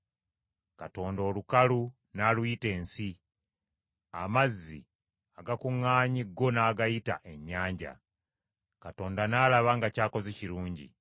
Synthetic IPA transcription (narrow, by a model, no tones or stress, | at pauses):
kato̞ːndo̞ːlukalu | naːlwite̞ːnsi | a̰mazːḭ | aɡakuŋːaːɲiɡo̞naːɡajita̰ʔe̞ɲːaːɲɟa̰ | kato̞ːndanaːlaβaŋɡacaːko̞zeciɾuːɲɟḭ